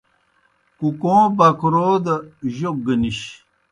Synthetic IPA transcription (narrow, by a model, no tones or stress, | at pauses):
kukõːbɐkɾoːd̪ɐʑok̚ɡəniɕ